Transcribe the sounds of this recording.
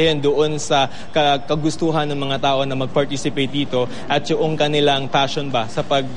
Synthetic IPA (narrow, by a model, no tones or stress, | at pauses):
hɪnd̪oʔo̞nsɐ | kɐkɐɡʊst̪uːɦɐnːɐŋmɐŋat̪aːʔo̞nɐmɐɡ̚pɐɹt̪isɪpejt̪̚d̪iːt̪o̞ | ʔɐt̪̚jʊʔoŋkɐnɪlaŋpaːʃonbasɐpɐɡ̚